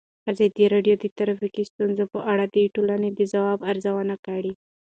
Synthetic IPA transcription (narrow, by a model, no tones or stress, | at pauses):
azɑd̪iɾɑɖjod̪ət̪aɾafikist̪unzopəʔaɽad̪eʈolaned̪əzawɑbaɾzawənakaɽi